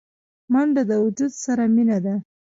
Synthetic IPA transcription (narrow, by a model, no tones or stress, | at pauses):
maɳɖad̪əwʊd͡ʒud̪saɾaminad̪a